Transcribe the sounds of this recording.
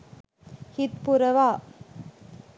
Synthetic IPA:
hɪt̪̚pʊɾɐʋaː

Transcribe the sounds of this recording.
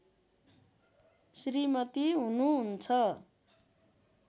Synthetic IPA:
srimʌt̪iɦunuɦunt͡sʰʌ

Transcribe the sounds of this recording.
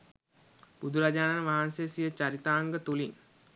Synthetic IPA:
b̥ud̪ʱuɾad͡ʒaːnanəʋaɦansejəsijət͡ɕaɾit̪aːŋɡət̪uliŋ

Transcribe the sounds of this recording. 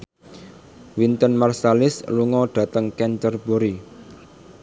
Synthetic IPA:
wint̪ənmarsalɪsluŋɔɖ̪̥ä̤t̪əŋkɛɲt͡ʃərboɾi

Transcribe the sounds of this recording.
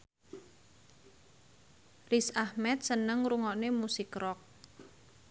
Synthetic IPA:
risahmɛt̪̚sənəŋɾuŋɔnemusikrɔk̚

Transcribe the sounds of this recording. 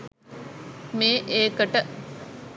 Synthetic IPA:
meːʔeːkəʈə

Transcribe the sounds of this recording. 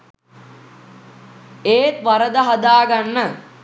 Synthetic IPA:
eːt̪ʋaɾəd̪əɦad̪aːɡanːə

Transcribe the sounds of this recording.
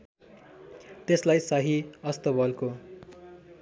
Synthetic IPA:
t̪eslajsʌɦiʌst̪ʌbʌlko

